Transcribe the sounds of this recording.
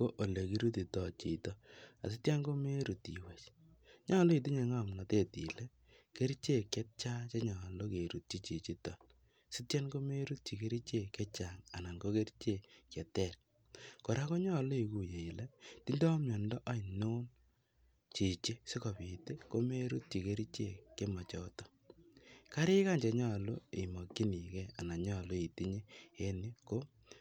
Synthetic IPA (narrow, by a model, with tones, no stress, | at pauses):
o˦ʔo˨le˨ki˦ɾu˦t̬i˨tɔ˨t͡ʃḭ˨tɔ˦a̰˨si˦tja˦nɡo˦me˦ɾu˨ti˨wɛ˨t͡ʃ | ɲɔ˦lɔ˦i˨t̬i˦ɲe˨ŋa˦˨mna˨te˦˨tḭ˨lɛ˦ | ke˦ɾt͡ʃe˦˨kɛ˦t̚t͡ʃa˦t͡ʃe˦ɲɔ˨lo˦ke˨ɾu˨t̚t͡ʃi˦t͡ʃi˨t͡ʃi˦tɔ˨ | si˦tja˦nɡo˦me˦ɾu˦t̚t͡ʃi˨ke˦ɾi˦t͡ʃe˦˨kɛ˦t͡ʃa˨ŋa˨na˨ŋɡo˦ke˦ɾt͡ʃe˦˨kjɛ˨tɛ˦˨ɾ | ko˨ɾa˦ko˦ɲɔ˦a˨lo˦i˨ku˨je˨i˨lɛ˦ti˦ndɔ˦mɲɔ˨ndɔ˦ʔa˦i˨noː˦n | t͡ʃi˨t͡ʃe˦si˦kɔ˨pi˨te˦ko˦me˦ɾu˦t̚t͡ʃi˨ke˦ɾi˦t͡ʃe˨ke˦ma˨t͡ʃɔ˦tɔ̥˦ | ka˦ɾɪ˦ka˦˨ɲt͡ʃɛ˨ɲɔ˦a˨lo˦ḛ˨mɔ˨kːi˦ni˨kɛ˦a˨na˨ɲɔ˦˨lo˦i˨ti˦ɲe˦je˦ni˦ko˦